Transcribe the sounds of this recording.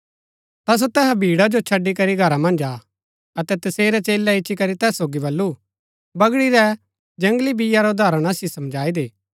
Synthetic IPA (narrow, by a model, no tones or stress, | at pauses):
t̪as̬ot̪ɛɦabʱiːɽad͡ʒot͡ʃʰɐɖːikɐɾiɡʱɐɾamɐ̃nd͡ʒaː | ɐt̪ɛt̪ɐseːɾɛt͡ʃeːlːɛɪʃʰikɐɾit̪ɛːsːoːɡibɐlːu | bɐɡɽiɾɛ | d͡ʒɐ̃ŋɡlibɪjaɾoʊd̪aːɾəɽ̃asisɐ̃md͡ʒaːid̪eː